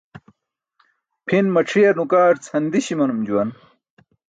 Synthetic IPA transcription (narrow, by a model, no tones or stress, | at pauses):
pʰinmɐʈ͡ʂʰijɐɾnukaːɾt͡shɐnd̪iɕimɐnumd͡ʑuwɐn